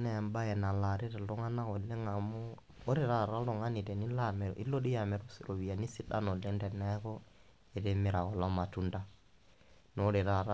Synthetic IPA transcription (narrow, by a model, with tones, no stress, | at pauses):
na˦ja˨mba˦je˨na˨la˨ɾi˦ɾe˨lɔ˦ŋa˦na˦ko˨le˦ŋa˨mo˦ | o˦ɾi˨ɾa˦˨ɾa˦lɔ˨ŋa˦ni˨de˨ni˦la˦mḛ˨i˦lo˦di˦ja˨me˨ɾu˦sɾo˨wi˨ja˨ni˦si˦ɗa̰˦no˨le˦nde˨na˦ko˦ | e˨de˦mi˦ɾa˨ko˨lo˦ma˨tu˦nda˦ | n˨o˦ɾi˨ɾa˦ɾa˦